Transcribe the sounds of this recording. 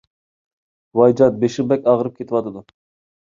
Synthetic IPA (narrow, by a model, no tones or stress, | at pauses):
wɑjd͡ʒɑt̪̚beʃɪʁbɛkʲɑʁəɾɨp̚kʲʰet̪ʰɪwɑt̪ʰɨd̪u